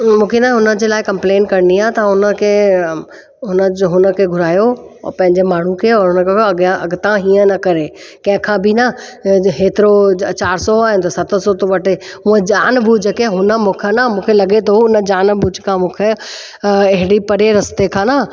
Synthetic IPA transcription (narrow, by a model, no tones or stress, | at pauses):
mũːkʰenɐɦʊnəd͡ʑeːlaːɪkɐ̃mpleːnkɐɾniaːɦet̪ɐɦʊnə̆kʰeː | ɦʊnəd͡ʑɦʊnə̆kʰeɡʱʊɾaːjoɔ̰pɐ̃ɦɪɲd͡ʑemaːɳ̤ũkʰeɔːɾɦʊnəkɐɡʔɐɡt̪ãɦiːə̃nɐkɐɾe | kɐ̃ɦɪ̃kʰãbɪnɐɦeːt̪ɪɾot͡ɕaːɾsɔaːɦɪnɪt̪osɐt̪ʰsɔt̪oʋɐʈeũə̃d͡ʑaːnbʱud͡ʑəkeɦʊnəmũːkʰənɐmũːkʰelɐɡet̪ʰoʊnə̆d͡ʑaːnbʱuːd͡ʑkʰãmũːkʰe | ɐɦɪɽipɐɾeɾɐst̪ekʰãːna